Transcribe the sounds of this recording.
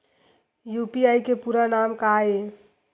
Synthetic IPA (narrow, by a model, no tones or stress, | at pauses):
jupiajkepuɾanamkae